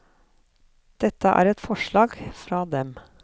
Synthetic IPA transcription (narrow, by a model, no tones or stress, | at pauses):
d̪̥ɛt̪əʔæ̰ːɾɛt̪fɔʃɭɑːɡfɾɑːd̪ɛm